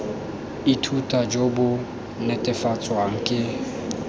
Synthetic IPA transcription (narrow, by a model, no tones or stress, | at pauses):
itʰutʼad͡ʒobʊ | netʼɪfat͡sʼwaŋ̩kʼɪ